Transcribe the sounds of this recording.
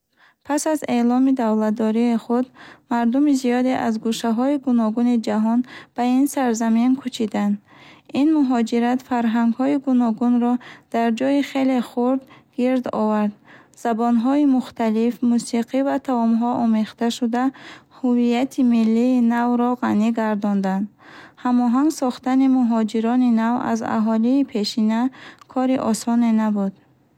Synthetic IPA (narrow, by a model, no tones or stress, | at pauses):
pʰasaze̞lɔmid̪avlat̪̚d̪ɔɾiːχud̪maɾd̪umiziɔd̪e̞ʔazɡuʃaɦɔiɡunɔɡunid͡ʒaɦɔnb̥ainsaɾzaminkʰut͡ʃʰid̪and̪ | inmuɦɔd͡ʒiɾat̪faɾɦaŋɡhɔiɡunɔɡunɾɔd̪̥aɾd͡ʒɔjiχe̞le̞χuɾd̪ɡ̥iɾd̪ɔ̰vaɾd̪ | z̥abɔnɦɔimuχt̪alifmusiqivat̪ʰaɔmɦɔʔɔmeχt̪aʃud̪ahuvijat̪ʰimilːiːnavɾɔʁaniɡaɾd̪ɔnd̪and̪hamɔɦaŋɡsɔχt̪animuɦɔd͡ʒiɾɔninava̰za̰ɦɔliːpʰe̞ʃinakʰɔɾiʔɔsɔne̞nabud̪̥